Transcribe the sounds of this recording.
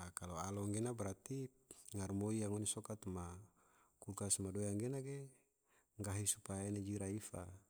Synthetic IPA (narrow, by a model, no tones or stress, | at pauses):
akaloalɔŋɡenabɾat̪i | ŋarmoijaŋɔnisɔkat̪ma | kukasmadojaŋɡenaɡe | ŋɡaɦisupajainad͡ʒiɾaifa̰